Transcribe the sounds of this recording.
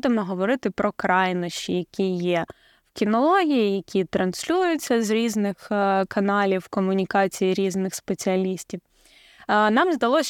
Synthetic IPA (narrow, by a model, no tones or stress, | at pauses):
d̪ɪmɔɦɔʋɔɾɪt̪ɪpɾɔkɾɑjnɔʃt͡ʃijɐkʲijɛ | wkʲinɔlˠɔɦʲijijɐkʲʰit̪ɾɐnsʲlʲujʊt͡sʲːɐzɾʲiznɪxkɐnɑlʲiwkɔmʊnʲikɑt͡sʲijiɾʲiznɪxspet͡sʲiɐlʲisʲtʲiw | nɑmzd̪ɐlˠɔsʲ